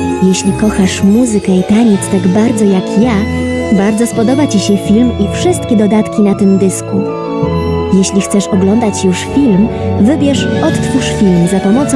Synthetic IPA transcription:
jeɕlʲikɔxaʂmuzɘkɛit̪aɲɛt̪st̪aɡbaɾd̪zɔjakjabaɾd̪zɔspɔd̪ɔbat͡ɕiɕɛfʲilmifʂɘst̪kʲɛd̪ɔd̪at̪kʲinat̪ɘmd̪ɘsku | jeɕlʲixt̪sɛʂɔɡlɔnd̪at͡ɕjuʂfʲilmvɘbʲjɛʂɔt̪t̪fuʂfʲilmzapɔmɔt̪s

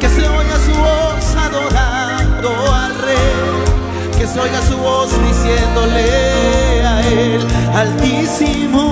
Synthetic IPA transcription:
keseojasuβosaðo̞ɾa | nd̪oalrej | keseojasuβosd̪isjend̪ole | aelalt̪i | si | mo

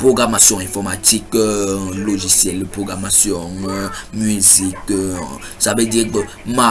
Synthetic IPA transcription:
pʁoɡʁamasjɔ̃ɛ̃fɔʁmat̪ik | loʒisjɛlpʁoɡʁamasjɔ̃ŋmyzik | sabedik͡pə | mã

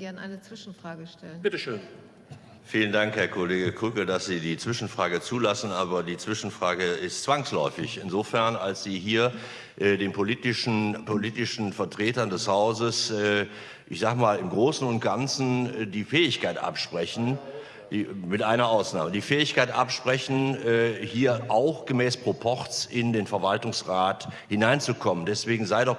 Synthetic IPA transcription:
ɡɛɐnʔa̰ɪnət͡sv̥ɪʃn̩fʁ̥aːɡəʃtʰɛlənb̥ɪtəʃøːn | fiːləndaŋkhɛɐkʰoleːɡəkʰʊkl̩dasz̥iːdiːt͡sv̥ɪʃn̩fʁ̥aːɡət͡suːlasn̩ʔaːbɐdiːt͡sv̥ɪʃn̩fʁ̥aːɡəɪstt͡sv̥aŋslɔʏfɪçɪnzoːfɛɐnalsz̥iːɦiːɐ | ʔɛːdeːnpʰoliːtɪʃn̩pʰoliːtɪʃn̩fɛɐtʁ̥eːtɐndɛshaʊzəsɛː | ʔɪçz̥aːɡəmaːlɪmɡʁoːsn̩ʊnt̚ɡ̥ant͡sn̩ːdiːfɛːɪçkaɪtʔa̰pʃpʁ̥ɛçn̩ | d̥iːmɪtʔaɪnɐʔaʊsna̰ːmədiːfɛːɪçkaɪtʔa̰pʃpʁ̥ɛçn̩ːhiːɐʔaʊxɡ̥əmɛːspʁ̥opʰɔʁt͡sɪndeːnfɛɐvaltʊŋsʁaːthɪnaɪnt͡sukʰɔməndɛsv̥eːɡŋ̩zaɪdɔ

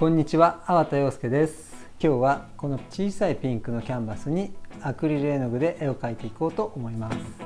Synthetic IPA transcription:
kõ̞ɲ̟ːit͡ɕiβaːβat̪ajo̞ːsɨ̥ke̞d̪e̞sɨ̥ | kʲo̞ːβako̞no̞t͡ɕiːsaipʲĩŋkɯno̞kʲãmbasɨɲ̟iakɯ̟ɾʲiɾe̞ːnoɡɯ̟d̪e̞ʔeo̞kait̪e̞iko̞ːt̪o̞ʔomo̞imasɨ̥

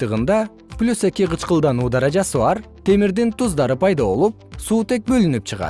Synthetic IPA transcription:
t̪ɯʁɯnd̪ɑ | plʲuse̞kʲiqɯt͡ʃqɯlˠd̪ɑnuːd̪ɑɾɑd͡ʒɑsɯβɑɾt̪ʰe̞miɾd̪int̪uzd̪ɑɾɯpʰɑjd̪ɑβo̞̰lˠup̚suːt̪e̞k̚bø̞lynyp̚t͡ʃʰɯʁɑ̰t̪

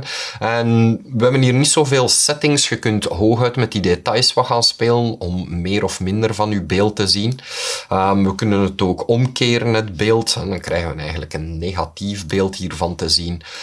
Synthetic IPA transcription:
nɛnʋəɦɛbənɦiːrnitsoːveːlˠsɛtɪŋsxəkɵntɦoːxœɥtmɛt̚didetɑjsʋəɣaːnspeːlənɔmːeːɾɔfmɪndərvɑnybeːlˠtːəzinəmʋəkɵnənətoːkɔmkeːɾənɦətbeːlˠtɦɛdɑnkrɛ̰jɣənʋənɛjɣənləkənːeːɣɑtifbeːlˠtɦiːrvɑntəzin

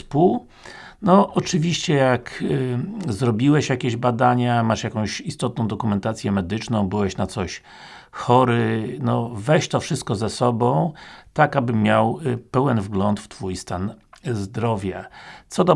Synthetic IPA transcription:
spuw | nɔʔɔt͡ʂɘvʲiɕt͡ɕɛjak | zɾɔbʲiwɛɕjakʲeʑbad̪aɲamaʂjakɔ̃w̃ɕist̪ɔt̪̚nɔ̃w̃d̪ɔkumɛnt̪at̪sʲjɛmɛd̪ɘt͡ʂnɔ̃w̃bɘwɛɕnat̪sɔɕ | xɔɾɘnɔvɛɕt̪ɔfʂɘst̪̚kɔzɛsɔbɔ̃w̃t̪akabɘmːjawpɛwɛnvɡlɔnt̪ft̪fujst̪anzd̪ɾɔvʲjat̪sɔd̪ɔ

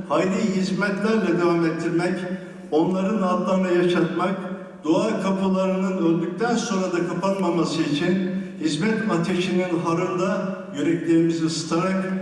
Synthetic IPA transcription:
hajd̪ʲiɦizmɛt̪lʲæɾlʲɛd̪evamet̪ʰːiɾmɛc | o̞nlˠaɾɯnad̪lˠaɾɯnajaʃat̪mak | d̪̥oaːkʰapʰɯlˠaɾɯnɯnølʲd̪yc̚ʲt̪ʰænso̞nɾad̪akʰapanmamasɯit͡ʃʰinhizmɛt̪at̪ʰeʃininɦaɾɯnd̪a | jyɾɛclʲeimiziɯsɯ̥t̪ʰaɾak

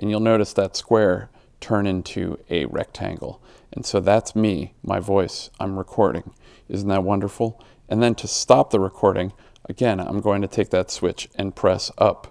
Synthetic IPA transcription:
ʔɨ̃njʉlˠnoʊɾɨsðɨtskwɛɹ | tʰɜ̃˞nɪ̃ntʰʉ̰ɨ̰ɹɛ̰k̚tʰæ̰̃ŋɡl̩ˠ | ʔɨ̃nsoʊðætsmimʔa̰ɪvɔɪsʔãɪ̃mɹɨkʰɔɹɾɪ̰̃ŋ | ɪzn̩ðət̚wʌ̃ndə˞fl̩ˠ | ʔɨ̃nðɨ̃ntʰɨstɑp̚ðəɹɨkʰɔɹɾɪ̃ŋ | ʔəɡɛ̃nã̰ɪ̃mɡoʊɪ̃ŋtʰɨtʰeɪk̚ðɨtswɪt͡ʃɨ̃npʰɹ̥ɛsʌp

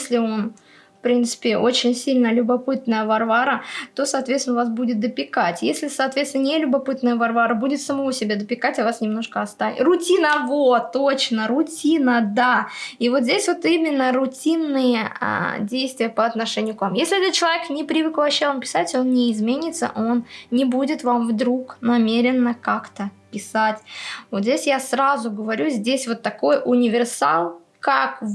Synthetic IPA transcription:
sʲlʲɪo̞n | fpɾʲint̪sɨ̥pʲɪʔo̞t͡ɕɪnʲsʲilʲnəlʲʊbɐpɨt̪nəjəvɐrvaɾət̪o̞sɐːt̪vʲet̪sʲɪnvasbudʲɪt̪̚d̪əpʲɪkatʲjesʲlʲɪsaːt̪vʲet̪st̪ʲɪnənʲɪlʲʊbɐpɨt̪nəjəvɐrvaɾəbudʲɪt̪səmɐvosʲɪbʲad̪əpʲɪkatʲɐvasnʲɪmno̞ʂkəɐst̪avʲɪ̰rʊtʲinəvot̪ːot͡ɕnəɾʊtʲinəd̪aivo̞t̪zʲdʲesʲvo̞t̪imʲɪnːəɾʊtʲinːɨjəa̰dʲejst̪vʲɪjəpəɐt̪nɐʂɛnʲɪjʊkvamjesʲlʲɪɛt̪ət̪̚t͡ɕːɪlˠɐvʲeknʲɪpɾʲɪvɨkvˠɐɕːaonpʲɪ̥satʲo̞nnʲɪːzmʲenʲɪt̪sə̰ʔo̞nnʲɪbudʲɪt̪vamvd̪ɾuknɐmʲeɾʲɪnːəkakt̪əpʲɪsatʲvot̪zʲdʲesʲjasrazʊɡəvɐɾʲuzʲdʲesʲvo̞t̪ːɐko̞jʔʊnʲɪvʲɪrsa̰lˠ | kak

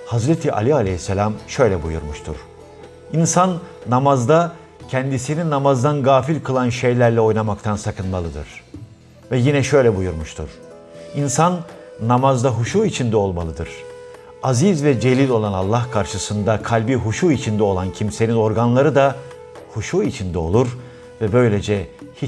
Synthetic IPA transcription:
hazɾet̪ʰiʔa̰lʲialʲehisːelʲamʃø̞jlʲɛbujṵɾmuʃt̪ʰṵɾ̥ | insanːamazd̪a | cʰɛnd̪isininamazd̪anɡaːfilʲkʰɯlˠanʃe̞jlʲæɾlʲɛo̞jnamakt̪ʰansakʰɯnmalˠɯd̪ɯ̰ɾ̥ | vɛjinɛʃø̞jlʲɛbujuɾmuʃt̪ʰṵɾ̥ | insanː | amazd̪aɦuʃuːit͡ʃʰind̪ɛo̞lˠmalˠɯd̪ɯɾ̥ | azizvɛd͡ʒe̞lʲilʲo̞lˠanalˠːahkʰaɾʃɯsɯnd̪akʰalʲbiɦuʃuːit͡ʃʰind̪ɛo̞lˠancʰimse̞nino̞ɾɡanlˠaɾɯd̪a | huʃuːit͡ʃʰind̪ɛo̞̰lˠuɾ | vɛbø̞jlʲe̞d͡ʒɛhi

